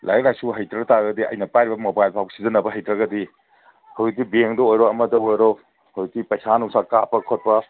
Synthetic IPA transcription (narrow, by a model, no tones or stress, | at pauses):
lajk̚lajsuɦɐjtɾɐɡɐtaɾɐɡɐdiɐ̰jnɐpajɾibɐmobajlpʰawɡsizɐnɐbɐɦɐjtɾɐɡɐdi | hawzik̚dibeŋdɐojɾɔɐmɐdɐojɾɔ | howzik̚dipɐjsanusɐɾkapɐɾkʰot̚pɐ